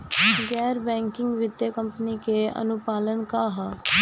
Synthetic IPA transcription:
ɡɛːɾbɛ̃ːŋkɪ̃ŋɡʋɪd̪jekə̃mpənikeə̰nʊpaːlənkaɦ

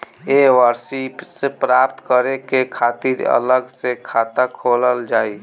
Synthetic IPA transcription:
ewəɾsipsepɾaːpt̪kəɾekekʰaːt̪iɾə̰ləɡsekʰaːt̪akʰoːləld͡ʒaːi

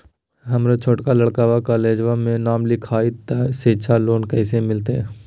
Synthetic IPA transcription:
ɦɐmɾat͡ʃʰoːʈkalɐɽkaːʋakaːleːd͡ʒʋamẽnaːmlɪkʰaːit̪aseːt͡ʃʰaloːnkɛɪsemɪlt̪eɦɛ

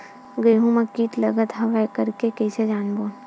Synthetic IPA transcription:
ɡeːɦũmakiːʈlɐɡət̪ɦɐʋajkɐɾkekejsed͡ʒaːnboːn

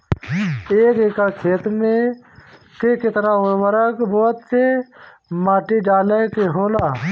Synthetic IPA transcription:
eːkekakʰeːt̪me | kekɪt̪naʊʋəɾəkbɔːt̪se | maːʈiɖaːlekeɦoːlaː

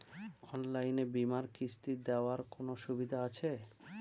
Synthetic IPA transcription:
ɔnlajnebimaɾkɾist̪id̪eoaɾkonoʃubid̪ʱaat͡ɕʰe

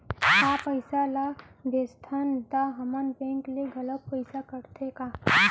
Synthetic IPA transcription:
apəɪsalab̪ʱest̪ʰand̪aɦɐmənpẽːŋkleɡɐlət̪pəɪsakəɾt̪ʰekaː

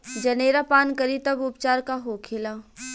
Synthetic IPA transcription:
d͡ʒɐneːɾapaːnkɐɾit̪ɐbʊpt͡ʃaːɾkaɦoːkʰeːlaː

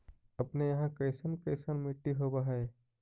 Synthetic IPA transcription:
ɐpnejɐɦãkəɪsənkəɪsənmɪʈːiɦobaɦɛː

